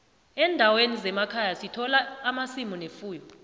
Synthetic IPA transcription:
ɛːndʱawenizɛmakʰajasitʰɔlaːmasimunefuːjɔ

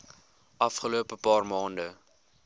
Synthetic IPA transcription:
ʔɐfχəloːəpəpɑːrmɑːndə

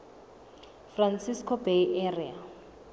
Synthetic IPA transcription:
fransiskʰɔbeiʔɛria

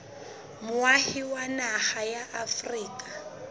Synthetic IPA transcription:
mʊwahiwanaχajaʔafriːkʼa

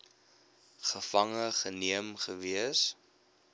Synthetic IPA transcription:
χəfɐŋəχəniəmχəviəs

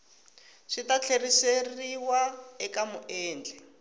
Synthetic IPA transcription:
ʂitat͡ɬʰeriseriwaɛkamʊʔɛːnd͡ɮʱɛ

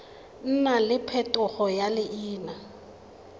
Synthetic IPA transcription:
n̩nalɪpʰɛtʼʊχɔjalɪʔiːna

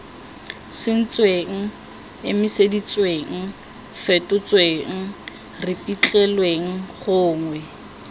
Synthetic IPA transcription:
sɪn̩t͡sʼweŋ̩ | ɪmɪsedit͡sweŋ̩ | fɛtʼʊt͡sʼweŋ̩ | rɪpʼit͡ɬʼɛlweŋ̩χʊːŋwɛ

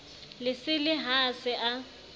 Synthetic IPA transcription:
lɪsɪlɪɦasɪʔa

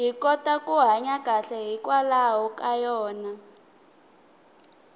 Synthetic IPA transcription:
ɦikɔtakʼuɦaɲaɡ̥ʱaɬɛɦikwalawɔkʼajɔːna

